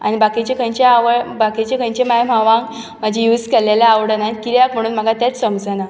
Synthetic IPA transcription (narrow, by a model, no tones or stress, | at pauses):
a̰ñibakit͡ɕekʰə̃ɲt͡ɕjaʋəɭbakit͡ɕekʰəɲt͡ɕemajm̤aʋãŋk | m̤əd͡ʑʱĩjuːd͡zkɛlalaːʋɽənankiɾjakm̤əɽ̃uːnm̤əɡat̪jat͡ssəmd͡zna